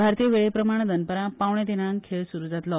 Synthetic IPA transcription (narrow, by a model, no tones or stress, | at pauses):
bʱaɾt̪iəʋeɭepɾəmaɽ̃d̪ənpəɾãpawɳ̃ẽt̪enãnkʰeɭsuɾud͡zat̪lɔ